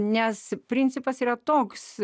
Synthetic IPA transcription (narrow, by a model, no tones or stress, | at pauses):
nʲɛspʲɾʲɪnʲt͡ssʲɪpɐsiːɾɐt̪oːks